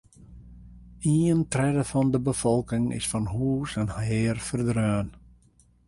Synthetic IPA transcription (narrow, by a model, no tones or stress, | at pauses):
iːəntrɛdəfɔndəbəfɔlˠkɪŋɪ̰sfɔnhuːsɛnhaɪːrfərdrøːn